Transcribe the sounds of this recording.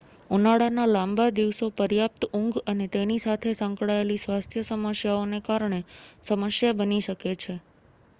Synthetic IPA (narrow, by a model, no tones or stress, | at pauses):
unaɽanalãmbad̪iʋsopəɾjap̚t̪əũŋɡənet̪enisat̪ʰesə̃ŋkɽaelisʋast̪ʰjəsəməsjaonekaɾɳ̃esəməsjabəniʃəket͡ʃʰe